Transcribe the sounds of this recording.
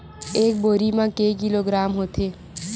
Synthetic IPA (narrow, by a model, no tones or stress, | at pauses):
ek̚boɾimãkekiloɡɾamɦot̪ʰe